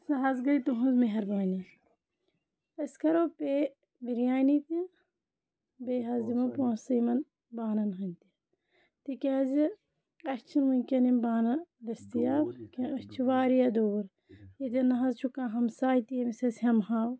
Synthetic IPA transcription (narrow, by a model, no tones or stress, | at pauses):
sɐɦɐzɡɐit̪uɦũnzmeɦɐɾbaːni | ɐskɐɾope | biɾjaːnit̪i | beɦɐzimɐpõːsɐjmɐn | baːnɐnɦɐnʲt̪i | t̪ikʲezi | ɐst͡ʃʰinmunʲkʲɐnimbaːnɐlɐst̪ijakʲɐ̃ɐst͡ʃʰiʋaːɾijɐd̪oːɾ | jet̪̬ɐnɐɦɐzt͡ʃʰukãːɦɐmsaːjit̪ijɐmisɐsɐmɦaw